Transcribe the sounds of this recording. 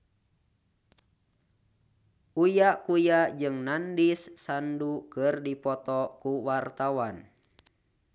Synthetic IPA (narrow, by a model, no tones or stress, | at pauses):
ujaʔkujad͡ʒɨŋnandisːandukɨrdipɔt̪ɔkuwart̪awan